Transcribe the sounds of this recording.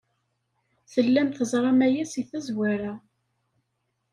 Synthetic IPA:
θəlːæmθəzˤɾˤɑmæjæsiθæzwæɾæ

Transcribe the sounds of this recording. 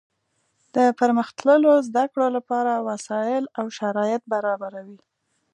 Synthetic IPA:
d̪̥əpəɾməxt̪ləlozd̪akɽolapɑɾawasɑjɪlawʃaɾɑjɪt̪̚baɾɑbaɾawi

